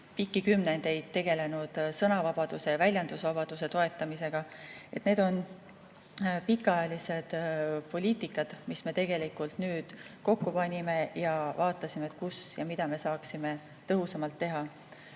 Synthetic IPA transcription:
pikːˑikymnend̪̥e̞jd̪̥t̪ːe̞ɡe̞le̞nud̪̥sɤnɑvɑb̥ɑd̪̥use̞vælʲjɑnd̪̥usvɑb̥ɑd̪̥use̞t̪o̞e̞t̪ːˑɑmise̞ɡ̥ɑe̞t̪ne̞ːd̪o̞n | pikːˑɑjɑlise̞d̪̥po̞lʲiːt̪ikːˑɑd̪̥misme̞t̪e̞ɡ̥e̞likult̪nyːd̪̥ko̞kːupɑnʲime̞jɑvɑːt̪ːˑɑsimeet̪ˑkusjɑmid̪̥ɑme̞sɑːksime̞ | t̪ɤɦusɑmɑlt̪ːe̞ɦɑ

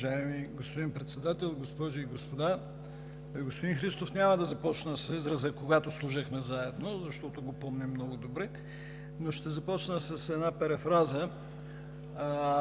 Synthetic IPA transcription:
ʒaɛmiɡospod̪inpɾɛt̪sɛd̪at̪ɛlˠɡospɔʒʊiɡospod̪a | ɡospod̪inxɾist̪ofnʲaməd̪ɐzɐpɔt͡ʃnəsɛzɾəzəkoɡat̪oslˠuʒəxmɛzaɛd̪nozɐʃt̪ɔt̪oɡopɔmnʲɛmːnɔɡod̪obɾɛ | noʃt̪ɛzɐpɔt͡ʃnəsɐsɛd̪napɛɾɛfɾazə

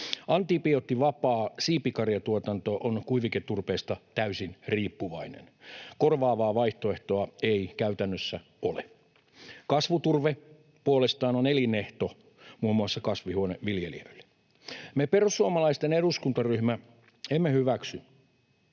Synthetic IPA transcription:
ɑnt̪iːpiot̪ːiʋɑpɑːsiːpikɑrjɑt̪uot̪ɑnt̪oʔonkuiʋiket̪ːurpeːst̪ɑt̪æysinriːpːuʋɑinḛnkorʋɑːʋɑːʋɑiht̪oeht̪oɑeikæyt̪ænːøsːæ | o̰lḛ | kɑsʋut̪urʋe | puolest̪ɑːnonelineht̪o | muːmːuɑsːɑkɑsʋihuoneʋiljelḭo̰ilːe̥ | meperusːuomɑlɑist̪eneɾuskunt̪ɑryhmæ | emːehyʋæksy

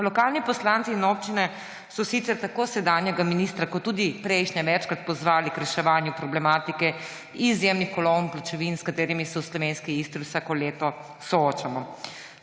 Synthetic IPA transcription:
lɔkaːlnipɔslant̪siːnop̚t͡ʃinɛ | sɔsit̪sɛɾt̪akoːsɛd̪aːnjɛɡaminiːst̪ɾakɔt̪ːuːd̪ipɾɛjʃɲɛʋɛt͡ʃkɾat̪̚pɔzʋaːlikɾɛʃɛʋaːnjupɾɔblɛmaːt̪ikɛ | izjemnixkɔlownplat͡ʃɛʋinskat̪eːɾimisɛuslɔʋeːnskiist̪ɾiwsaːkɔleːt̪ɔ | sɔoːt͡ʃamɔ

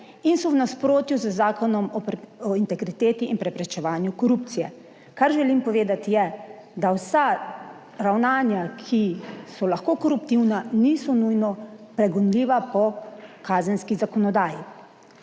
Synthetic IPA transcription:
insɔwnaspɾoːt̪juzəzaːkɔnɔmɔɔint̪ɛɡɾit̪eːt̪iinpɾɛpɾɛt͡ʃɛʋaːnjukɔɾup̚t̪sijɛ | kaɾʒɛlimpɔʋeːd̪at̪ijɛ | d̪awsa | ɾawnaːnjakʰisɔlaxkoːkɔɾup̚t̪iwnaniːsɔnujnɔpɾɛɡɔnliːʋapɔkaːzənskizakɔnɔd̪aːji

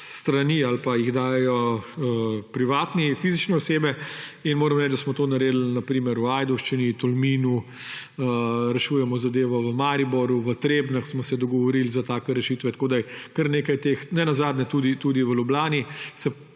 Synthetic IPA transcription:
sst̪ɾaniːalpajiɣd̪aːjɛjɔəpɾiʋaːt̪nifiːzit͡ʃnɛɔseːbɛinmoːɾɐmɾɛːd͡ʒd̪asmɔt̪oːnɐɾeːd̪l̩nɐpɾiːmɛɾuajd̪ɔwʃt͡ʃinit̪ɔlmiːnu | əɾɛʃuːjɛmɔzad̪eːʋɔʋəmaːɾibɔɾuʋət̪ɾeːbnɐxsmɔsɛd̪ɔɡɔʋɔɾilzat̪aːkɛɾɛʃiːt̪ʋɛt̪koːd̪ajkəɾneːkajt̪eːxnɛnazaːd̪nɛt̪uːd̪it̪ud̪iʋəlublaːnisɛ

